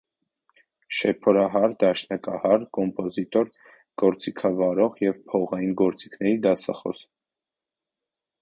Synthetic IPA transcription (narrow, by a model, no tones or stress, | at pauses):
ʃɛpʰɔɾɑɦɑɾd̪ɑʃnɑkɑhɑɾkɔmpʼɔzit̪ɔɾ | ɡ̥ɔɾt͡sikʰɑvɑɾɔʁjɛvpʰɔʁɑjinɡɔɾt͡si̥kʰnɛɾid̪ɑsɑ̰χɔ̰s